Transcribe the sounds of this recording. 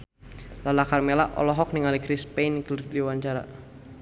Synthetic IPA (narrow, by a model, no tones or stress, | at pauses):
lalakarmelaʔɔ̰lɔɦɔk̚niŋalikɾispejnkldiwaɲt͡ʃaɾa̰